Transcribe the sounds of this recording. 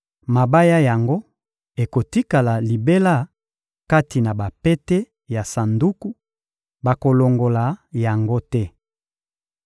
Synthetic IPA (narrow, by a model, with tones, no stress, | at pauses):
ma˨ba˦ja˦ja˨ŋɡo˦ | e˨ko˨ti˦ka˨la˨li˨be˦la˦ | ka˦ti˨na˨ba˨pɛ˦te˦ | ja˨sa˨ndu˦ku˦ | ba˨ko˨lo˨ŋɡo˨la˨ja˨ŋɡo˦tɛ˦